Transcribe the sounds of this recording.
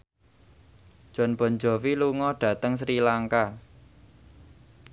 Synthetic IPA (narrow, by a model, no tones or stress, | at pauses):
ʒ̥ɔ̤nb̥ɔ̤nd͡ʒɔ̤wiluŋɔɖ̥ä̤t̪əŋs̬ɾilaŋka